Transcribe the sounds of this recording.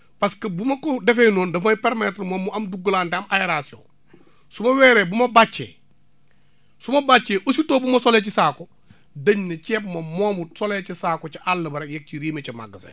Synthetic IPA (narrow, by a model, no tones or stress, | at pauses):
paskɐbumɐkodefenoːndɐfapeɾmetɾmoːmːuɐmduɡulaːnteɐmajeɾasio̰ | sumɐwɛːɾebumɐbat͡ʃːḛ | sumɐbat͡ʃːeʔositoːbumɐsolet͡ʃisaːko | dɐɲnɐt͡ʃepmɐmoːmbusolet͡ʃisaːkot͡ʃiʔalːɐbɐɾejek̚t͡ʃiɾiːmet͡ʃɐma̰ɡːɐsḛ